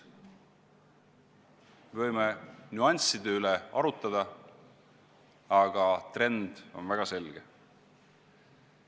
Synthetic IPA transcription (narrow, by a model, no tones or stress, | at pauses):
mevɤjmenʲuɑnʲsid̪̥e̞yleɑɾut̪ˑːɑd̪̥ɑ | ɑɡ̥ɑt̪re̞nd̪̥o̞̰nvæɡ̥ɑse̞lɡ̥e